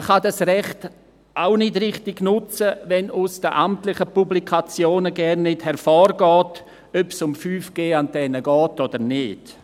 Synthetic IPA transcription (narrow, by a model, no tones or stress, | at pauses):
χadasrɛχt | ʔaʊnɪdrɪχtɪɡnʊt͡səvɛnʊsd̥əʔamtlɪχəpublikʰat͡sjoːnəɡɛrnːɪthɛɾfɔːrɡɔːt | œpsʊmfyːfɡ̥eːantɛnəɡɔːtodəɾnɪːd̥